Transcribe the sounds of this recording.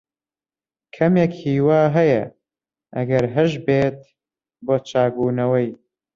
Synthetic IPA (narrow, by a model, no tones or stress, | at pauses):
kʰɐmjekhiːwaːɦɐjɐ | ʔɐ̰ɡɐɾɦɨʒbeːt̪̚ | boːt͡ʃʰaːɡuːnɐwɐj